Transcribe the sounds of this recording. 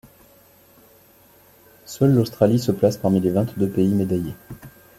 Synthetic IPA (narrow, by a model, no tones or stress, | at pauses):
sœlːost̪χalisəplaspaʁmilevɛ̃t̪d̪øpeimed̪aje